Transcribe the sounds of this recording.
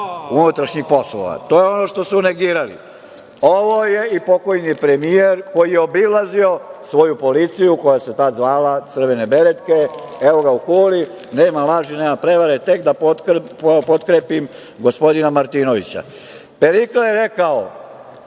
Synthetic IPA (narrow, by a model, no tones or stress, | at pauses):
unut̪ɾaʃɲixpo̞slo̰ʋa̰t̪o̞jeo̞no̞ʃt̪o̞sune̞ɡiːɾalḭ | o̞ʋojeipo̞ko̞jnipɾemijeɾko̞jijeobilˠazio̞sʋo̞jupo̞lit̪sijuko̞jase̞t̪ad̪zʋaːlat̪sr̩ʋene̞be̞ɾed̪ke̞eʋo̞ɡaukuːli | ne̞ːmalˠaʒineːmapɾe̞ʋaɾet̪e̞kd̪apopo̞t̪kɾeːpim | ɡo̞spo̞d̪inamaɾt̪ino̞ʋḭt͡ɕa̰ | pe̞ɾiklajeɾe̞kao